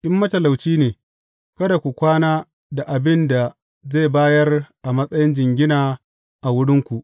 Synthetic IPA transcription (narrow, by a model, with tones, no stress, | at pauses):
ʔɪ˦mːɐ˦tɐ˨la˨wt͡ʃiː˦neː˨ | kɐ˦da˨kʷu˨kʷaː˦naː˦ | da˨ʔa˨bɪ˦nda˨ | ze˦˨baː˦jɐ˦rʔa˨mɐ˦sʼɐ˦jɪ˦nd͡ʒɪ˨ŋɡʲɪ˦naː˨ | ʔa˨wʊ˦ɽɪ˦ŋkʷu˨ʔ